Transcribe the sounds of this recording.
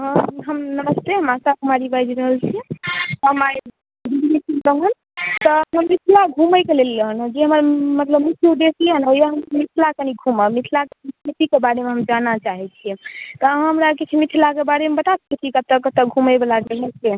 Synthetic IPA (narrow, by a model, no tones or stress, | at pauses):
ɦəmnəməst̪eɦəmasakumaɾibajd͡ʒiɾəɦəlt͡ʃʰiɦəma | bibinisʰibəɦən | t̪ɔɦəmːit̪ʰilaɡʱuməjkelelːənd͡ʒeɦəməɾmət̪ləbmik̪ʰijuɖ̪esleənojaɦəmmit̪ʰlakeniɡʱuməmit̪ʰlakeitʰit̪ikebaɽemeɦəmd͡ʒanat͡ʃaɦɛt͡ʃʰiɛt̪ɔɦəmɾaket͡ʃʰimit̪ʰilakebaɽemebət̪asket̪ʰikət̪ːəkːət̪ːək̚ɡʱuməbelaɡeɦɛse